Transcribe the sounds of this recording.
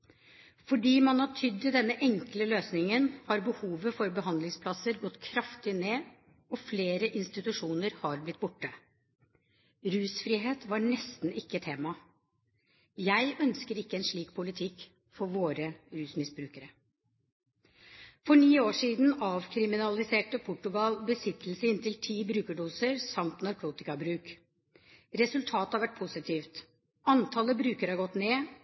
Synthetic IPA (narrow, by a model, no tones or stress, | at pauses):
fɔɖiːmɑnhɑʈʰʏd̪ːɪd̪ɛnːəʔɛŋkləløːsnɪŋənhɑɾbəhuːʋəfɔɾbəɦɑnd̪lɪŋspʰlɑsəɾɡɔt̪ːkʰɾɑft̪ɪneː | ɔfleːɾəʔɪnst̪ɪt̪ʉʂuːnəɾhɑɾblɪt̪̚ːbʊʈːə | ɾʉːsfɾiːɦeːt̪ʋɑɳɛst̪n̩ɪkːət̪ʰeːmɑ | jæɪʔœnskəɾɪkːəɛnʂɭiːk̚pʰʊlɪt̪ʰɪk | fɔɾʋoːɾəɾʉːsmɪsbɾʉːkəɾə | fɔɳiːoːʂiːd̪n̩ɑːʋkʰɾɪmɪnɑlɪseːʈəpʰʊʈːʉɡɑlbəsɪt̪ʰl̩səɪnt̪ɪlt̪ʰiːbɾʉːkəɖuːsəɾsɑmt̪nɑɾkʰuːt̪ɪkɑbɾʉːk | ɾɛsʉlt̪ʰɑːt̪əhɑɾʋæʈ̚pʰʊsɪt̪ʰiːft̪ | ɑnt̪ʰɑləbɾʉːkəɾhɑɾɡɔt̪neː